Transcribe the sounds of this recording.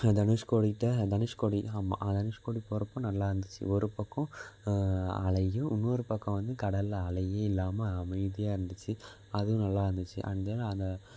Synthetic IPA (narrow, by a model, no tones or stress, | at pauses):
d̪ɐnɯʂkoːɽiʈːɐd̪ɐnɪʂkoːɽiamːa̰ʔɐd̪ɐnɪʂkoːɽipɔɾɐpːɔ̃nɐlːaːɪɾɯnd̪ɯt͡ʃːɯ̰ɔɾɯpɐkːɔ̃ | ɐ̰ɭɐjʊ̃ʊnːoːɾɯpɐkːɐ̃ʋɐnd̪ɯkɐɽɐlɐɭɐjeːɪlːaːmɐɐmɐɪðɪjaːɪɾɯnd̪ɯt͡ʃːɯ | ɐðɯʊ̃nɐlːaːɾɯnd̪ɯt͡ʃːɯ̰ʔɐ̰ɳd̪ɐlɐnd̪ɐ